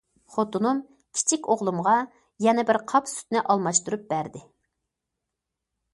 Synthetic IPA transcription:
χot̪unum | kʲʰi̥t͡ʃʰikʲoʁlˠumʁɑ | jɛnɛbɪɾqʰɑpsy̥t̪̚nɪʔɑlˠmɑʃt̪uɾup̚b̥æɾd̪ɪ

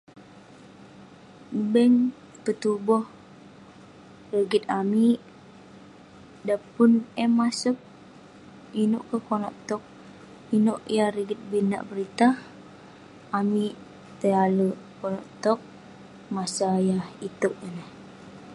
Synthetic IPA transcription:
bɛŋ | pət̪ubɔh | rəɡit̪̚ami | dapʊnɛmːasuk̚ | inuʔkəkonɔ̰ʔt̪ɔk̚ | inoʔjaɾəɡit̪̚bina̰ʔbəɾit̪a | ami | t̪əaləkonɔʔt̪ɔk̚ | masajahit̪oʔ̚ənəh

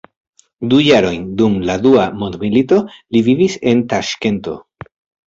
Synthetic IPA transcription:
dujaɾo̞jndumladuamondmilito̞livivise̞ntaʃke̞nto̞̰

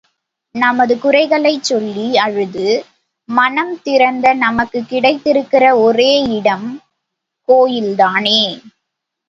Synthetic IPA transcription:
nɐmɐðɯkʊrɐɪɣɐɭɐɪt͡ʃːɔlːiɐɻɯðɯ | mɐnɐmt̪ɪɾɐnd̪ɐnɐmɐkːɯkːɪɽɐɪt̪ːɪɾɯkːɪrɐɔreːɪɽɐm | koːjɪld̪aːneː

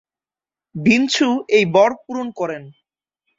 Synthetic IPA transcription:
bint͡ɕʰuejbɔɾp̚uɾonkɔɾen

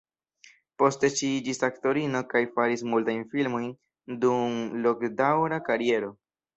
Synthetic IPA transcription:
po̞ste̞ʃiid͡ʒisakto̞ɾino̞kajfaɾismultajnfilmo̞jn | dumlo̞kdawɾakaɾie̞ɾo̞

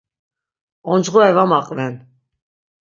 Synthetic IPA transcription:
ɔnd͡ʒʁɔɛvamaqʼvɛn

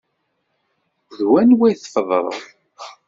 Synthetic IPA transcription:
ðwænwæjθəfðˤə̰ðˤ

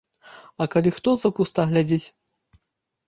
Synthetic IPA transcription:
ɐkalʲixt̪ɔzɐkust̪aɣlʲad͡zʲit͡sʲ

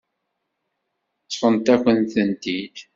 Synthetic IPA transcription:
t͡sːfˤənt̪ækʷːənt̪ənt̪id̪

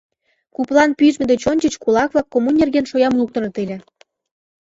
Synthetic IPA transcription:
kuplˠɑnpyʒmɘ̆d̪et͡ɕonʲt͡ɕə̆t͡ɕkulɑkβlɑkːomunʲerɣenʃojɑmlˠuk̚t̪ɤ̆rɤ̆t̪elʲĕ

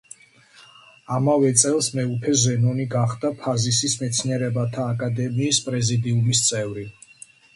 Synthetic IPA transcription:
amavɛt̪sʼɛlˠsmɛupʰɛzɛnɔniɡaχd̪apʰazisismɛt̪sʰniɛɾɛbat̪ʰaːkʼad̪ɛmiːspʼɾɛzid̪iumist̪sʼɛvɾi

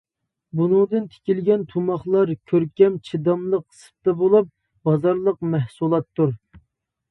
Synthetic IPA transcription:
bunɨŋd̪ɨnt̪ʰe̥kʲilɡʲɛnt̪ʰumɑχlˠɑɾkʲʰøɾkʲɛmt͡ʃʰid̪ɑmlˠəqsɨ̥p̚t̪ɛbolˠup̚ | bɑzɑɾlˠəqmɛhsulˠɑt̪ʰːuɾ

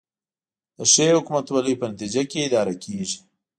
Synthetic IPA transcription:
d̪̥əʂeɦʊkumat̪walipənat̪id͡ʒakeɪd̪ɑːɾakʰeʒi̥

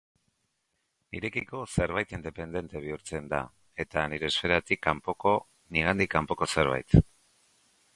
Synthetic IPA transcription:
niɾe̞kiko̞se̞ɾβajt̪ind̪e̞pe̞nd̪e̞nt̪e̞β̞iuɾt͡se̞nd̪a̰ | e̞t̪aniɾe̞ːsfe̞ɾat̪ikːampoko̞ | niɣ̞and̪ikampo̞ko̞se̞ɾβa̰jt̪

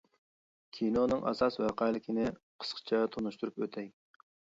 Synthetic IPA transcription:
kʲʰinonɨŋɑ̰sɑswæqɑjlˠɪkʲʰinɪqʰə̥sqʰə̥t͡ʃʰɛt̪ʰonuʃt̪uɾupøt̪ʰɛj

